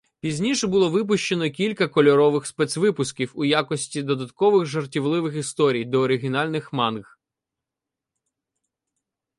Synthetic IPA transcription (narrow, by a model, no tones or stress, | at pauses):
pʲizʲnʲiʃɛbʊlˠɔʋɪp̬ʊʃt͡ʃenɔkʲilʲkɐkɔlʲɔɾɔʋɪxspɛsʲʋɪpʊskʲiwujakɔsʲtʲid̪ɔd̪ɐt̪kɔʋɪɣʒɐrtʲiʋlˠɪʋɪxist̪ɔɾʲijd̪ɔːɾɪɦʲinɑlʲnɪxmɑnɣ